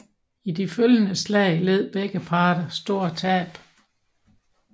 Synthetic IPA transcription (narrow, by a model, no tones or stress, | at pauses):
id̥iføljənəslɛɪle̝ð̞̰ˠb̥eɡ̥əpʰɑ̈ːd̥ɐsd̥o̝ɐ̰t͡sʰɛːb̥